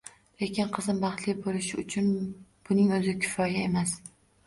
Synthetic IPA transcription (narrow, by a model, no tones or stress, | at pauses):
le̞kʲɪnqʰɨzɪmbɑχt̪lɪbolɪʃɪʊt͡ʃʰʊnb̥ʊnɪŋɵzɪkʲʰɪ̥fɒjae̞mas